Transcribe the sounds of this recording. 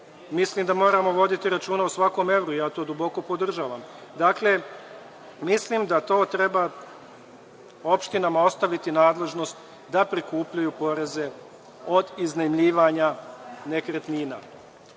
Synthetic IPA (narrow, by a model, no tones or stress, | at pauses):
mislimd̪amo̞ːɾamo̞ʋo̞d̪it̪iɾat͡ʃuːnausʋako̞me̞ʋɾuijaːt̪o̞ːd̪ubo̞ko̞pod̪r̩ʒaːʋamd̪akle̞ | mislimd̪at̪o̞ːt̪ɾe̞ba | o̞pʃt̪inamao̞st̪aʋit̪inaːd̪le̞ʒno̞st̪ | d̪apɾikuːpʎajupo̞ɾe̞ze̞ | o̞d̪iznemʎiːʋaɲane̞kɾet̪niːna̰